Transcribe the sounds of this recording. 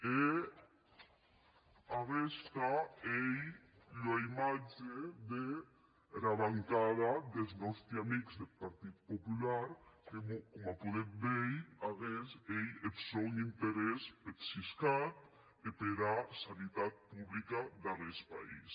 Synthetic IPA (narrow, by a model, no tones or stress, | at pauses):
e | aɣest̪aej | lojmad͡ʒeðe | laβaŋkaðaðelznɔst̪ɾeamikzðepaɾt̪it̪̚populaɾkemokomapuðem̚bejaɣesejepsonint̪eɾɛspeɾsiskat̪̚ | epeɾasanit̪at̪̚puβlikad̪arespa̰ḭs